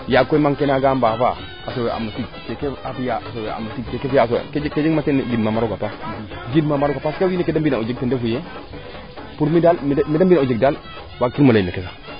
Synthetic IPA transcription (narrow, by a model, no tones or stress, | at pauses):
jakːomaŋkenaɡambafa̰ | asowea̰matiɡkekeafijaasowea̰matiɡkekefijasked͡ʒked͡ʒeɡmatend͡ʒidmamaɾoɡapas | d͡ʒidmamaɾoɡapaskawinekedambinaod͡ʒek̚tendefuje | puɾmidalmmidambiaod͡ʒek̚dal | wakːimolamekesa